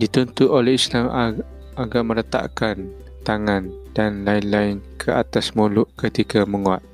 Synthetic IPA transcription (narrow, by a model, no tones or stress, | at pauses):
dit̪unt̪ʊʔolɛhislam | aɡaʔməɾət̪a̰ʔkan | t̪aŋand̥anlaɪnlaɪnkʰəat̪asmulʊʔkət̪ikaməŋuat̪̚